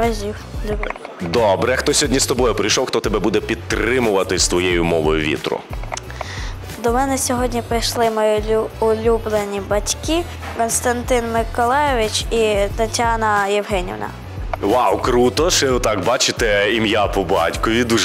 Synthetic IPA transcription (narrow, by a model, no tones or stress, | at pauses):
ʋɐʒʲiwlʲd̪ɔbɾɛxt̪ɔsʲɔɔdʲnʲist̪ɔbɔjʊpɾɪjʃɔwxt̪ɔt̪ɛbɛbud̪ɛpʲid̪t̪ːɾɪmʊʋɐt̪ɪst̪ʋɔjejʊmɔʋɔjʊʋʲḭt̪ɾʊ̰ | d̪ɔmɛnɛsʲɔɦɔdʲnʲipɾɪjʃlˠɪmɔjʲʊlʲublˠenʲibɐtʲki | kɔnst̪ɐnt̪ɪnmɪkɔlˠɛjɔʋʲit͡ʃit̪ɐtʲɑnɐjɛwɦɛnʲḭʋnɐ̰ | ʋawkɾut̪ɔʃɛt̪ɑkbɑt͡ʃɪt̪ɛimjapɔbɑ̰tʲkɔʋʲid̪uʒ